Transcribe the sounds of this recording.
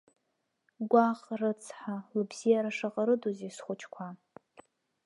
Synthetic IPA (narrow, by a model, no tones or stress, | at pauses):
ɡʷaχrɨt͡sʰħalɨbz̥ijaɾaʂaqʼaɾɨdozesχʷʊt͡ʃʰkʷʰa